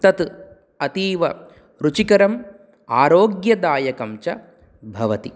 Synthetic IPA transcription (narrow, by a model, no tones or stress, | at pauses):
t̪ɐt̪ | ɐt̪iːʋɐ | ɾut͡ʃikɐɾɐm | aːɾoːɡjɐd̪aːjɐkɐmt͡ʃɐ | bʱɐʋɐt̪i